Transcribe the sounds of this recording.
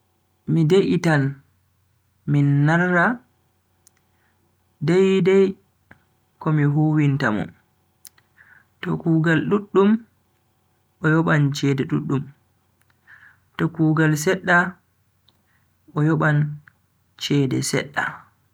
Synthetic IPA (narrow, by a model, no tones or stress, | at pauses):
mideʔitan | minːaɾːa | dɛjdɛj | kɔmiɦuːwintamɔ̰n | tɔ̰kuːɡalɗuɗːum | ɔjɔɓant͡ʃɛːdɛɗuɗːum | tɔkuːɡals̬ɛɗːa | ʔɔjɔɓan | t͡ʃɛːdɛ̰sɛ̰ɗːa̰